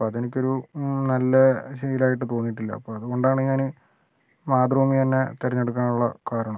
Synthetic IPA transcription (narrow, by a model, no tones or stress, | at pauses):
ɐðenikʲːo̞ɾunɐlːɐɕɐjilaːjiʈːɨt̪o̞ːnːjiʈːilːɐ̰ɐpːoːɐðukoɳɖaːɳɨɲaːnɨ | maːd̪rɐumit̪ɐnːet̪erɐɲːe̞ɽuk̬ːaːnuɭːɐ̰kaːɾɐɳɐmm